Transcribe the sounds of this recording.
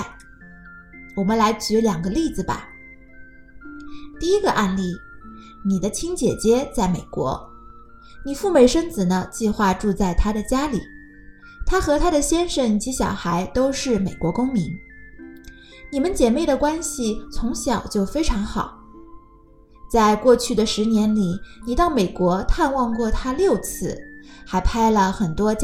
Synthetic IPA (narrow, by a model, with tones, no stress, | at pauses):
wɔ˨˩mə˦nla˧˥ɪt͡ɕy˧˥ljɑ˨˩ŋɡə˦li˥˩d͡zɹ̩˩bɐ̰˩ | t̪i˥˩i˥ɡə˧ʔa˥˧nli˥˩ | ni˨˩d̪ə˦t͡ɕʰi˥ŋt͡ɕjɛ̰˨˩t͡ɕjɛ˥t͡sa˥˩ɪme˨˩ɪkwɔ̰˧˥ | ni˨˩fu˥˩me˥˩ɪʂə˥nt͡sɹ̩˨˩nə˦t͡ɕi˥˧xwa˥˧ʈ͡ʂu˥˧t͡sa˥˩ɪt̪ʰa˥d̪ə˨t͡ɕja˥li˨˩˦ | t̪ʰa˥xɤ˧˥t̪ʰa˥ɾə˨ɕjɛ˥nʂə˨˩nt͡ɕi˧˥ɕjɑ˨˩ʊxa˧˥ɪt̪o˥ʊʂɻ̩˥˩me˨˩ɪkwɔ˧˥kʊ˥ŋmi˧˥n | ni˨˩mə˦nt͡ɕjɛ˨˩nme˥˩ɪd̪ə˩kwa˥nɕi˨˩t͡sʰʊ˧˥ŋɕjɑ˨˩ʊt͡ɕjo˥˩ʊfe˥ɪʈ͡ʂʰɑ˧˥ŋxɑ˨˩˦ʊ | t͡sa˥˧ɪkwɔ˥˧t͡ɕʰy˥˩d̪ə˩ʂɻ̩˧˥njɛ˧˥nli˨˩ni˨˩t̪ɑ˥˩ʊme˨˩ɪkwɔ˧˥t̪ʰa˥˧nwɑ˥˧ŋkwɔ˥˩t̪ʰa˥ljo˥˧ʊt͡sʰɹ̩˥˩xa˧˥ɪpʰa˥ɪlə˨xə˨˩nt̪wɔ˥t͡ɕ